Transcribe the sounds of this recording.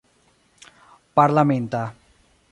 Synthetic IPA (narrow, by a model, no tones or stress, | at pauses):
paɾlamẽnt̪a